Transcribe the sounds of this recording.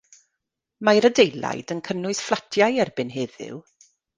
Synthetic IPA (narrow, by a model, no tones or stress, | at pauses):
majɾədejlˠa̰jdənkʰənʊɨsflˠatʰjajɛrbɪnɦeːðɪ̰w